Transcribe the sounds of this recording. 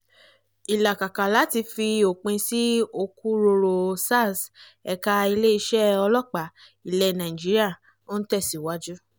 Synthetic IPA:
i˨la˨ka˨ka˨la˨˦ti˧fi˧o˨k͡pẽ˧si˦o˧ku˦ɾo˧ɾo˧sa˦˨s | ɛ˧ka˧˦i˧le˦i˧ʃɛ˦ɔ˧lɔ˦˨k͡pa˨ | i˨lɛ˧nã˨ĩ˨d͡ʒi˦ɾi˦a˦˨ | o˦n̩˦tɛ˦˨si˨wa˦d͡ʒu˦

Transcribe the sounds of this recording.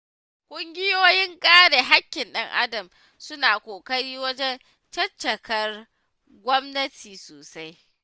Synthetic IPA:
kʷʼʊ˦ŋɡʲɪ˦joː˦jɪ˦ŋkʼaː˦ɽe˨ɦa˦kʲːɪ˨nɗɐ˦ŋʔa̰˦dɐ˨m | sʊ˦naː˨kʷoː˨kʼɐ˦ɽiː˦wɐ˦d͡ʒɛ˦n | t͡ʃɐ˦t͡ʃːɐ˨kʰɐ˦r | ɡʷɔ˦mnɐ˦tʰiː˨soː˨sa˦j

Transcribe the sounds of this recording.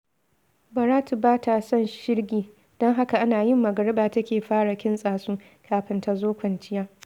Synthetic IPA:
bɐ˨ɾaː˦tu˨baː˦tʰa˨sɔ˦˨nʃɪ˦rɡʲiː˨ | d̥ɔ˦ŋɦa˦ka˨ʔa˦naː˨jɪ˦mːɐ˨ɡɐ˨ɾɪ˦baː˨tɐ˦kʲeː˨ɸaː˦ɽa˨kʲɪ˦nsʼaː˨suː˦ | kʰaː˨ɸɪ˦nta˨zoː˦kʷɐ˨nt͡ʃɪ˦jaː˦

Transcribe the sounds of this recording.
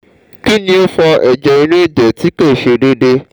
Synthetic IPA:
ki˦nĩ˦o˦fɔ˧ʔɛ˨d͡ʒɛ˨i˦nũ˦i˦˨dɛ˨ti˨˦ke˦˨ʃe˨de˦de˦

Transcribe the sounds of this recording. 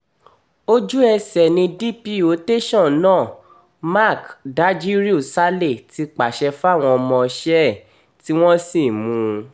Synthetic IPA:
o˦d͡ʒu˦ɛ˧sɛ˨nĩ˧di˦pi˦˨o˨˦te˦ʃɔ̃˦˨nãː˦˨ | ma˦˨kda˨˦d͡ʒi˦ɾi˦u˦˨sa˦le˦˨ti˧k͡pa˨ʃɛ˧fa˦˨w̃ɔ̃˧ɔ˧mɔ̃˧ʃɛ˦˨ | ti˦w̃ɔ̃˦si˦˨mũ˧˦

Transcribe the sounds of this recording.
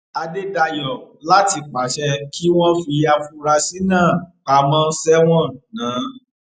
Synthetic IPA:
a˧de˦da˧jɔ˨ | la˦ti˧k͡pa˨˦ʃɛ˧ki˦w̃ɔ̃˦fi˧ja˧fu˧ɾa˧si˦nãː˦˨k͡pa˧mɔ̃˦˧n̩˦sɛ˦w̃ɔ̃˦˨nãː˨˦

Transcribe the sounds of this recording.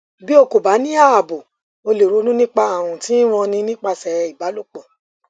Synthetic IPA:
bi˦o˧ko˨ba˨˦nĩ˦a˦˨a˨bo˨ | o˧le˨ɾu˧˦nũ˦nĩ˦k͡pa˧a˨wũ˨ti˨˦w̃ɔ̃˧nĩ˧nĩ˦k͡pa˧sɛ˨˧i˨ba˨˦lo˦k͡pɔ˨

